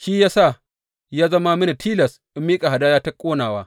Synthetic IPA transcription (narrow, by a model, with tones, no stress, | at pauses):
ʃiː˦jaː˦sa˦˨ | jaː˦zɐ˦ma˦mɪ˦na˨tʰiː˦lɐ˨s | ʔɪ˦mːiː˦kʼa˨ɦa˨daː˦jaː˦tɐ˦kʷʼoː˦naː˨waː˦